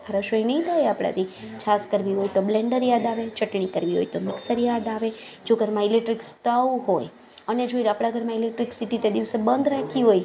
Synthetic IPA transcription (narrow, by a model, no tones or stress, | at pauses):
aɾəʃoinəĩt̪ʰajapɽa̰t̪it͡ʃʰaskəɾʋiɦojt̪oblɛ̃ɳɖəɾjad̪aʋet͡ʃəʈɳikəɾʋiɦo̰jt̪omɪksəɾjad̪aʋed͡ʒoɡəɾmãilek̚ʈɾiksʈawuɦoj | əned͡ʒoiɾaːpɽ̃aɡʱəɾmãilek̚ʈɾiksiʈit̪ed̪iʋsebənd̪ɾakʰiɦoj